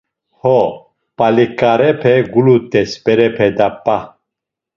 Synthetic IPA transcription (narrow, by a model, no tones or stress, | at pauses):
hɔ | pʼalikʼaɾɛpʰɛɡulut̪ʼɛspɛɾɛpʰɛd̪apʼːa